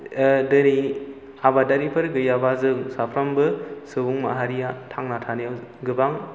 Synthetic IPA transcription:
dɯni | abadaɾipʰɯɾɡɯjabazɯŋsapʰɾambɯsɯbuŋma̰ɦaɾijatʰaŋnatʰanijawɡɯbaŋ

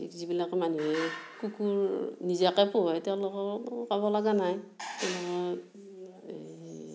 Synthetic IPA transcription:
ḭkzibilakmanuɦekukuɹnizakɛpoɦɔjtialɔkɔkaβɔlaɡanajtɛlɔɔ

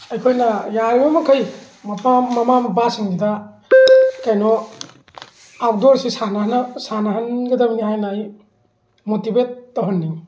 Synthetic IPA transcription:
ɐjkʰojnɐjaɾibɐmɐkʰɐj | mɐpaːɐmambasiŋɡida | kajnɔ | ap̚dɔɾsisanaɦnsanaɦɐnɡɐdɐbiniɦajnaj | motibet̚ːɐɦɐnːiŋ

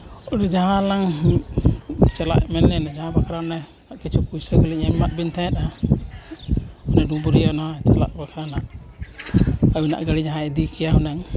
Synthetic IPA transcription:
ɔdud͡ʒaɦãlaŋ | t͡ʃala̰ʔmɛnːɛnad͡ʒaɦãbakʰaɾanɛ | aʔkɛt͡ʃʰɔpujsakɔliɛmmaʔ̚bint̪ʰɛ̃ɛt̪̚a | ɔnɛdũbuɾianat͡ʃala̰ʔbakʰaɾanaʔ | abina̰ʔɡaɽid͡ʒaɦãɛd̪ikɛjaɦunaŋ

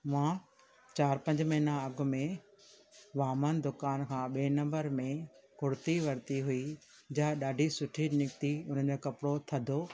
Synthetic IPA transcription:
mãː | t͡ɕaːɾpɐ̃ɲd͡ʑmɐɦinaɐɡʱʊ̆mẽ | ʋaːmənd̪ʊkaːnkʰãːɓiːnɐ̃mbəɾmẽkʊɽt̪iʋɐɾt̪iɦui | d͡ʑɐɦɗaːɖʱisʊʈʰinɪkt̪iʊn̤əd͡ʑoːkɐpɽot̪ʰɐd̪ʱoː

